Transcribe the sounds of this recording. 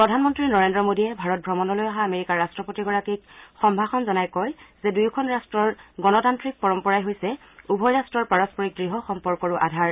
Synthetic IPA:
pɹɔdʱanmɔntɹinɔɹendɹɔmodiɛbʱaɹɔt̚bʱɹɔmɔnɔlojaɦaːmeɹikaɹːastɹɔpotiɡɔɹakik̚xɔmbʱaxɔnzɔnajkɔjzɛdujkʰɔnɹastɹɔɹɡɔnɔtantɹik̚pɔɹɔmpɔɹajɦojsɛ | ubʱɔjɹastɹɔɹpaɹɔspɔɹik̚ɡɹiɦɔxɔmpɔɹkɔɹuʔa̰dʱaɹ

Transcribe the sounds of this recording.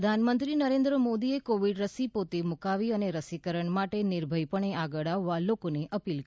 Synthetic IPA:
əd̪ʱanmənt̪ɾinəɾẽnd̪ɾəmod̪iekoʋiɖɾəsipot̪emukaʋiəneɾəsikəɾəɳmaʈenɪɾbʱəjpəɳeaɡəɭaʋːalokoneʔəpilk

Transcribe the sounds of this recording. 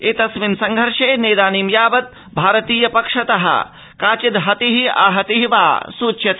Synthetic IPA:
eːt̪ɐsʋinsɐŋɡʱɐɾʃeːneːd̪aːniːmjaːbɐt̪̚ | bʱaːɾɐt̪iːjɐpɐkʂɐt̪ɐɦɐ̰ | kaːt͡ʃid̪ɦɐt̪iɦia̰ːɦɐt̪iɦiʋa̰ːsuːtːʃʰjɐt̪

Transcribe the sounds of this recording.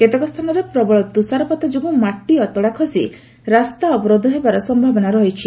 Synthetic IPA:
ket̪ɔkɔst̪ʰanɔɾepɾɔbɔɭɔt̪usaɾɔpɔt̪ɔd͡ʒobũmaʈːiɔt̪ɔɽakʰɔsi | ɾast̪aɔbɔɾɔd̪ʱɔɦebaɾɔsɔmbʱabɔnaɾɔɦit͡ʃʰi

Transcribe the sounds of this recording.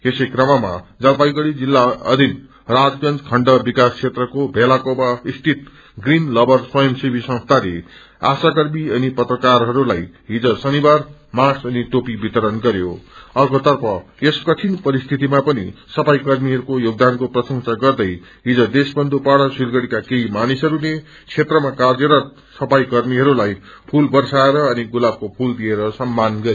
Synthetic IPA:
esekrʌmama̰d͡zʌlpajɡʌɽid͡zilːaʌ̰d̪ʱin | rad͡zɡʌnt͡skʰʌɳɖʌbikast͡sʰet̪rʌkobʱelakobaist̪ʰit̪ | ɡrinlʌbʌrswʌjʌmsibʱisʌ̃ŋst̪ʰalḛ | a̰sakʌrmiʌnipʌt̪rʌkarɦʌɾulajɦid͡zʌsʌnibarmasʌniʈopibit̪ʌɾʌnɡʌɾjo̰ʌrkot̪ʌrpʰʌjeskʌt͡sʰinpʌɾist̪ʰit̪imapʌnḭsʌpajkʌrmiɦʌɾukojoɡ̚d̪ankoprʌsʌŋsaɡʌrd̪ʌj | ɦid͡zʌd̪esbʌnd̪ʱupaɽʌsurɡʌɽikakeimanisʌɾune | t͡sʰet̪rʌmakard͡zeɾʌ | sʌpajkʌrmiɦʌɾulaj | pʰulbʌrsaeɾʌːniɡulab̚kopʰuld̪ieɾʌsʌmːanɡʌɾ

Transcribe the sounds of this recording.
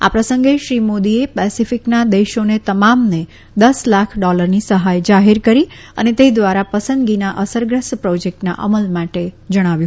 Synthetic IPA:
a̰pɾəsəŋɡeʃɾimod̪iepɛsifɪknad̪eʃonet̪əmamne | d̪əslakʰɖɔləɾnisəɦajd͡ʒaɦeɾkəɾi | ə̰net̪ed̪ʋaɾapəsə̃nd̪ɡinaʔəsəɾɡɾəspɾod͡ʒek̚ʈna̰ʔə̰məlmaʈed͡ʒəɽ̃aʋjũ

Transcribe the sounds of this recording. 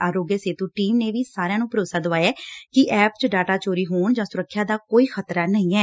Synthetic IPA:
aːɾoːɡjəseːt̪uːʈiːmneːʋiːsaːɾejãːnũːpəɾoːsaːd̪əʋaːjaːkɪʔɛːpt͡ʃəɖaːʈaːt͡ʃoːɾiːɦoːɳd͡ʒãːsʊɾəkʰːjaːd̪aːkoːiːxʰət̪ɾaːnəĩːɛː

